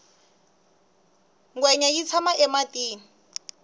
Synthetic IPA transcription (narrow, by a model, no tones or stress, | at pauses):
ŋɡwɛɲajit͡sʰamaʔɛmatiː